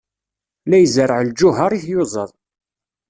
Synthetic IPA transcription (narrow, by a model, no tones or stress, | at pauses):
læjzəɾəʕld͡ʒʊɦɑɾˤiθjozˤəðˤ